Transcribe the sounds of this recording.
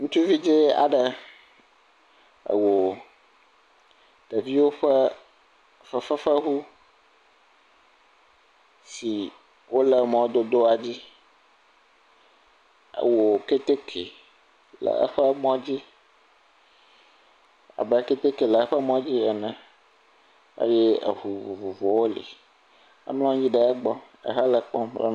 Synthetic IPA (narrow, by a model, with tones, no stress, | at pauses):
ŋũ˦t͡ʃu˦vi˦d͡ʑi˦a̰˨ɖə˨ | ə̰˨wo˨ | t̪ə˨vi˦wo˦ɸə˦ | fə˨fə˦fə˦ɦu˦ | si˨ | wʔo˦lə˨mɔ̃˨wd̪o˦d̪o˦a˨d͡ʑi˦ | a̰˨wo˨ke˦t̪e˦kʰe˨ | lə̰˨a̰˦ɸə˦mɔ̃˦d͡ʑi˦ | a̰˨bɛ˨˦ke˦t̪e˦ke˨lə˨a˦ɸə˦mɔ̃˦d͡ʑi˦ɛ˨nɛ̃˨ | a̰˦je˦ə̰˨vu˨vu˨vu˨vɔ˨wo˦lḭ˨ | a̰˦mlɔ̃˦d͡ʑi˦ɖɛ˦ɛ˦ɡ͡bɔ˦ | ə̰˨ɦa˦lə˨k͡pɔ̃˦mlɛ̰˦n